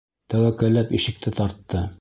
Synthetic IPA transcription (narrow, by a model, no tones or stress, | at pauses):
t̪æwækælːæpiʃɘ̆k̚t̪ɘt̪ɑɾt̪ːɤ